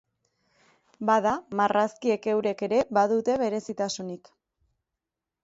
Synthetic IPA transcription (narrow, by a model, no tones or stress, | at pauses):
baðamaraskie̞ke̞wɾe̞ke̞ɾe̞baðut̪e̞β̞e̞ɾe̞sit̪asunik